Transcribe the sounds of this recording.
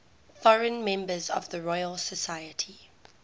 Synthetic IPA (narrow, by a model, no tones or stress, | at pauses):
fɔɹə̃nmɛ̃mbəzɔ̰vðəɹɔjəlsəsaɪətʰi